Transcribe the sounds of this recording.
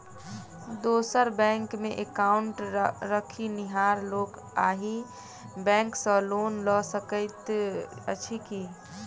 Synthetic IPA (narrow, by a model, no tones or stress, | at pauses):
d̪oːsəɾbɛ̃ːŋkmẽʔekaːʊɳʈɾəkʰiniɦaːɾloːk | aːɦi | bɛ̃ːŋksɔloːnlɔsəkəɪt̪ət͡ʃʰiki